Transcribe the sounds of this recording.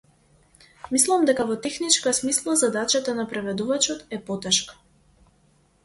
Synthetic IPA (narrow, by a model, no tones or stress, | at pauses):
mislˠamd̪ɛkavɔt̪ɛxnit͡ʃkasmislˠazad̪at͡ʃat̪anapɾɛvɛd̪uvat͡ʃɔt̪ɛpɔt̪ɛʃkḁ